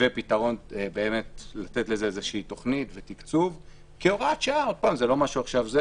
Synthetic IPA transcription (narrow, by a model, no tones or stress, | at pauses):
epitaʁo̞nbe̞ːme̞tlat̪e̞tle̞zeezeʃiːto̞χnitve̞tikt͡suv | keoʁatʃaao̞d̚paːmzelo̞maʃuaχʃavze